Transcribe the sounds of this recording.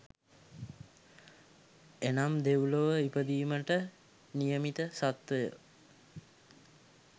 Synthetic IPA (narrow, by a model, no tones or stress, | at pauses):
enamd̪ewuləʋəipəd̪iːməʈə | nijəmit̪əsat̪ʋəjə̰